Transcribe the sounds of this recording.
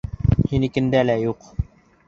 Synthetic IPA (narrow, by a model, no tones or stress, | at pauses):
hinikɘ̆nd̪ælæjuq